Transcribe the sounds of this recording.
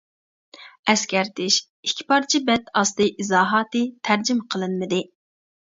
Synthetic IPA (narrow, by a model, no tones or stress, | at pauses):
ɛskʲɛɾt̪ʰɪʃ | ikʲʰːi̥pɑɾt͡ʃʰibɛt̪ʰɑst̪ɨʔizɑːɦɑːt̪ɨt̪ʰæɾd͡ʒɪmqʰəlˠɨnmɨd̪ɪ